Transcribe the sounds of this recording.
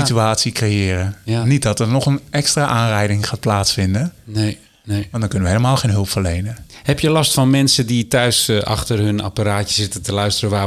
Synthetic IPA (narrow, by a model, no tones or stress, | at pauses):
ityaːtsikrejɪːrənit̚dɔtərnɔχənʔɛkstraʔaːnrɛjdɪŋχaːt̚plaːtsfɪndə | ʋɑntdɔnkʏnəʋəɦeːləmaːlˠxeːnɦɵlˠpfərlejnəhɛpjəlɑstfɑnmɛnsəditœɥsɑ̰χtərɦɵna̰paɾaːtəzɪtətəlœɥstərəʋaː